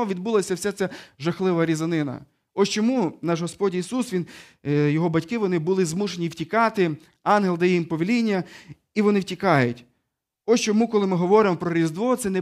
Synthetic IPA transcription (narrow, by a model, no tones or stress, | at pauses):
ɔʋʲid̪̚bulˠɐsʲɐwsʲɛt̪sʲɛʒɐxlˠɪʋɐɾʲizɐnɪnɐ̰ | ɔst͡ʃɔmunɑʒɦɔspɔdʲisusʋʲin | jɔɦɔbɐtʲkɪʋɔnɪbʊlˠɪzmuʃenʲiwtʲikɑt̪ɪ | ɑnɦelˠd̪ɛjimpɔʋʲilʲinʲːɐ | iʋɔnɪwtʲikɑjʊtʲ | ɔst͡ʃɔmukɔlˠɪmɪɦɔʋɔɾɪmɔpɾɔɾʲizd̪ʋɔt̪sɛnɛ